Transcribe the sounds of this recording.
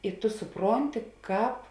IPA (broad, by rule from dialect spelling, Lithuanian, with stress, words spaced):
ɪ ˈtʊ sʊˈproːnʲtʲɪ ˈkɑːp